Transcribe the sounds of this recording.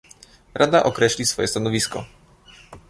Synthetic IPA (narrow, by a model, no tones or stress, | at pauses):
ɾʔad̪aʔɔkɾɛɕʲlʲisfɔjɛst̪anɔvʲiskɔ̰